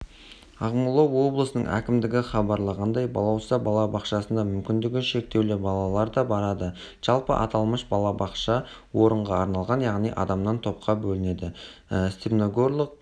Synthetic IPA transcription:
ɑʁmulˠowo̞blˠəsənə̰ɴŋʔæ̰kʲɪmd̪ɪɡʲɪχɑbɑɾlˠɑʁɑnd̪ɑjbɑlˠɑwʃəzɑbɑlˠɑbɑqʃɑsənd̪ɑmʏmkʲɪnd̪ɪɡʲɪʃe̞k̚t̪e̞wlebɑlˠɑlˠɑɾd̪ɑbɑɾɑd̪ə | ʒ̥ɑlˠpə̰ʔɑ̰t̪ɑlˠməʃbɑlˠɑbɑqʃɑ | wo̞ɾəɴʁɑːɾnɑlˠʁɑnjɑʁnijʔɑ̰d̪ɑmnɑnt̪ʰo̞p̚qɑbɵlɪne̞d̪ɪst̪epnoɡo̞ɾlˠəq̚

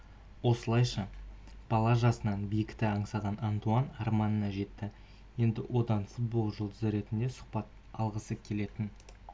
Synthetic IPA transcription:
wo̞səlˠɑjʃɑ | b̥ɑlˠɑʒɑsənɑnbijɪkʲt̪ɪɑɴsɑʁɑnɑnt̪uɑnɑɾmɑnənɑʒe̞t̪ːɪ | je̞nd̪ɪwʔo̞d̪ɑnfut̪̚bo̞lˠʒʊlˠd̪əzɾe̞t̪ɪnd̪e̞sʊχpɑt̪̚ | ɑlˠʁəsəkʲʰe̞le̞t̪ɪn

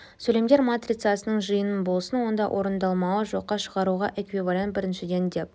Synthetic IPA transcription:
sɵle̞md̪ʲe̞ɾmat̪rʲit̪sɑsənəɴʒəjənənbo̞lˠsənwo̞nd̪ɑʔo̞ɾənd̪ɑlˠmɑwəʒo̞qːɑʃəʁɑɾuʁɑʔekvivalʲjant̪̚bɪɾɪnʃɪd̪e̞nd̪e̞p̚

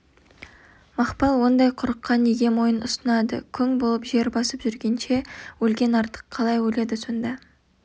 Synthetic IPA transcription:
mɑχpɑlˠwo̞nd̪ɑjqʰʊɾəqːɑneɡʲe̞mo̞jənʊsənɑd̪ə̰kʲʰʏŋbo̞lˠəpʒe̞ɾbɑsəpʒʏɾɡʲe̞nʃe̞wɵlɡʲe̞nɑɾt̪ə̥qʰːɑlˠɑjwɵle̞d̪ɪso̞nd̪ɑ

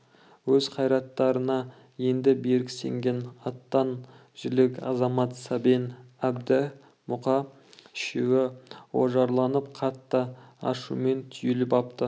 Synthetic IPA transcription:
wɵzqʰɑjɾɑt̪ːɑɾənɑ | je̞nd̪ɪbe̞ɾɪksḛŋɡʲe̞nɑt̪ːɑn | ʒ̥ɪlɪkɑ̰zɑmɑt̪sɑbenæb̚d̪ɪ | mʊqɑ | ɪʃewɪwo̰ʒɑɾlˠɑnəpqʰɑt̪ːəɑ̰ʃume̞nt̪ʰʏjelɪpɑp̚t̪ə

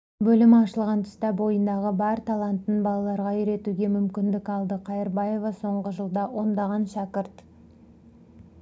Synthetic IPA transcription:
bɵlɪmɑʃəlˠʁɑnt̪ʰʏ̥st̪æbo̞jənd̪ɑʁəbɑɾt̪ʰɑlˠɑnt̪ːənbɑlˠɑlˠɑɾʁɑiɾe̞t̪uɡʲe̞mʏmkʲɪnd̪ɪkɑlˠd̪əqʰɑjɪɾbɑje̞vɑso̞ɴʁəʒəlˠd̪ɑwʔo̞nd̪ɑʁɑnʃɑkʲɪɾt̪

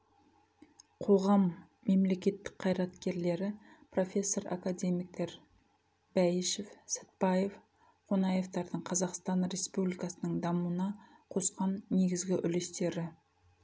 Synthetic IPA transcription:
qʰo̞ʁɑmː | e̞mle̞kʲe̞t̪ːɪ̥k̚qʰɑjɾɑt̪kʲe̞ɾle̞ɾɪpro̞fʲe̞sːo̞ɾa̰kad̪ʲemijk̚t̪e̞ɾ | b̥æjɪʃe̞fsə̥t̪̚pɑje̞v | qʰonɑje̞vt̪ɑɾd̪əɴqʰɑzɑqst̪ɑnɾe̞spublijkɑsənəɴd̪ɑmuənɑ | qʰo̞sqɑnːe̞ɡʲɪzɡʲɪʔʏ̰lest̪e̞ɾɪ

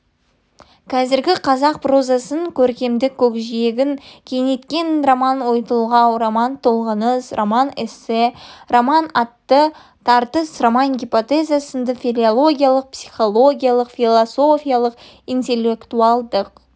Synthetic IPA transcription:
kʲʰɑzɪɾɡʲɪqʰɑzɑq̚pro̞zasəŋkʲʰɵɾkʲe̞md̪ɪkʲʰːɵkʒije̞ɡʲɪŋkʲʰe̞jne̞t̪kʲe̞nromanwo̞jt̪əlˠʁɑwromɑnt̪ʰolˠʁənəsromanɪsɪromanɑt̪ːə | t̪ʰɑɾt̪əsromanɡʲipo̞t̪ezasənd̪əfilʲˠolˠo̞ɡʲijalˠəq̚psijχo̞lˠo̞ɡʲijalˠəqfʲilˠoso̞fijalˠəq | int̪e̞lʲːe̞kt̪uɑlˠd̪əq

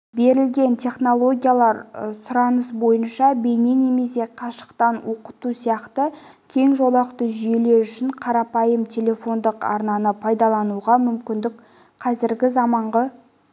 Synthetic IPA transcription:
be̞ɾɪlɡʲe̞nt̪ʲʰe̞χno̞lˠo̞ɡʲijalˠɑɾsʊɾɑnəsbo̞jənʃɑbe̞ne̞ne̞me̞se̞qʰɑʃə̥qt̪ɑnwo̞qət̪usijɑqt̪əkʲʰe̞ŋʒo̞lˠɑqt̪əʒʏje̞le̞ɾʏʃɪɴqʰɑɾɑpɑjəmt̪ʲʰe̞le̞fo̞nd̪əqɑ̰ɾnɑnəpʰɑjd̪ɑlˠɑnuʁɑmʏmkʲɪnd̪ɪk | qʰɑzɪɾɡʲɪzɑmɑɴʁə

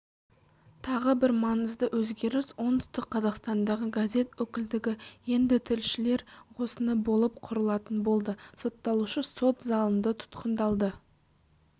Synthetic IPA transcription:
t̪ʰɑʁəbɪɾmɑnəzd̪əwɵzɡʲe̞ɾɪswo̞nd̪ʏst̪ɪqqʰɑzɑqst̪ɑnd̪ɑʁəɡaze̞t̪wɵkʲɪld̪ɪɡʲɪje̞nd̪ɪt̪ʰɪlʃɪle̞ɾqʰo̞sənəbo̞lˠəp̚qʰʊɾəlˠɑt̪ənbo̞lˠd̪əsot̪ːɑlˠuʃəso̞t̪zɑlˠənd̪ət̪ʰʊ̥t̪qʰənd̪ɑlˠd̪ə

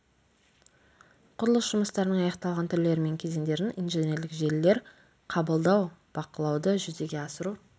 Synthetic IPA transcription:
qʰʊɾəlˠəsʒ̥ʊməst̪ɑɾnəɴɑjɑqt̪ɑlˠʁɑnt̪ʰʏɾle̞ɾɪme̞ŋkʲʰe̞ze̞nd̪e̞ɾɪnʔijnʒene̞ɾlɪkʒe̞lːe̞ɾ | qʰɑbəlˠd̪ɑwb̥ɑqəlˠɑwd̪əʒʏze̞ɡʲe̞ɑsəɾu

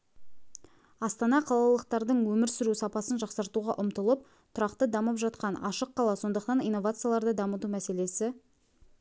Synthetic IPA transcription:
ɑst̪ɑnɑqʰɑlˠɑlˠəq̚t̪ɑɾd̪əɴwɵmɪɾsʏɾusɑpɑsənʒɑqsɑɾt̪uʁɑʔʊmt̪əlˠəp̚ | t̪ʰʊɾɑqt̪əd̪ɑməpʒɑt̪̚qɑnʔɑ̰ʃəqːʰɑlˠɑso̞nd̪əqt̪ɑnijnːovat̪sɨjalˠɑɾd̪əd̪ɑmət̪umæse̞le̞sɪ

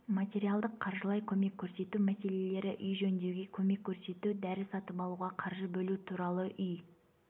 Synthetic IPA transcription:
mat̪ʲe̞ɾijalˠd̪əqʰːɑɾʒəlˠɑjkʲʰɵme̞kʲʰːɵɾse̞t̪umæse̞le̞le̞ɾɪʔʏjʒɵnd̪ewɡʲe̞kʲʰɵme̞kʲʰːɵɾse̞t̪ud̪æɾɪsɑt̪əpɑlˠuʁɑqʰɑɾʒəbɵlut̪ʰuɾɑlˠəʔʏj

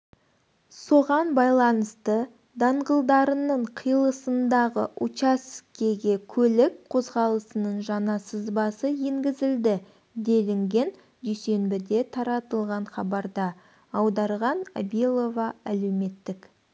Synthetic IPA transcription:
so̞ʁɑnbɑjlˠɑnəst̪ə | d̪ɑɴʁəlˠd̪ɑɾənəɴqʰəjlˠəsənd̪ɑʁə̰ʔut͡ʃɑskʲe̞ɡʲe̞kʲʰɵlɪk̚qʰo̞zʁɑlˠəsənəɴʒɑnɑsəzbɑsəjeŋɡʲɪzɪld̪ɪ | d̪e̞lɪŋɡʲe̞n | d̪yjse̞nbɪd̪e̞t̪ʰɑɾɑt̪əlˠʁɑɴχɑbɑɾd̪ɑː | wd̪ɑɾʁɑnabilˠo̞vɑælewme̞t̪ːɪk

